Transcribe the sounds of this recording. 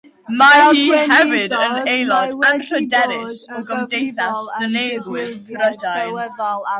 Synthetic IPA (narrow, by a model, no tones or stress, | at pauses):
majihɛvɪdə̃nejlɔdãnɬədɛɾɪsoɡəmdejθasðəneːðwɪnkɾədajl